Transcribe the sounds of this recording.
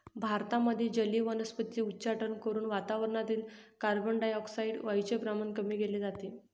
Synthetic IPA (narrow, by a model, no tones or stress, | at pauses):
bʱaɾt̪aməd̪ʱːjed͡ʑəlːiːʋənəspət̪ːiutːt͡ɕaʈənkəɾuːnʋat̪aʋəɾɳat̪iːlkaɾbəɳɖajɔksaiɖʋajt͡ɕebɾamankəmiːɡeleːd͡zat̪i